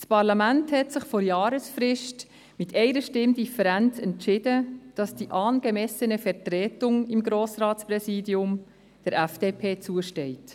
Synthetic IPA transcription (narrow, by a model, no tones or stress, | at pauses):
spɑɾlɑmænthɛtsɪχfɔɾjɑːɾəsfɾɪʃt | mɪtʰɛɪɾəʃtɪmdifəɾænt͡sɛntt͡ʃɪdəd̥ɑsd̥iʔɑːnɡ̥ɛmɛsənəfɛɾtɾɛːtʊŋɪmɡɾoːsrɑːtsprɛsiːdiʊm | d̥ɛɾʔæfd̥eːpʰeːt͡suəʃtɛɪt